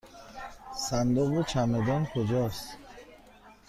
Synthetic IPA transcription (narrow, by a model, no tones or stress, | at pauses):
sand̪uɣut͡ʃʰamed̪ɔnkʰod͡ʒɔst̪